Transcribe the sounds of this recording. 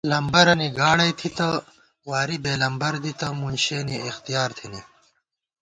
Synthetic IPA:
lɐmbɐɾɐniɡaːɽɐjt̪ʰit̪ɐ | waːɾibeːlɐmbɐɾd̪it̪ɐmunɕeːniːxt̪ijaːɾt̪ʰine

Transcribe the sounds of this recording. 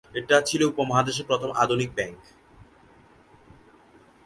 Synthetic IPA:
eʈat͡ɕʰiloupomaɦad̪eʃ̬epɾot̪ʰoma̰d̪ʱunik̚bɛŋk

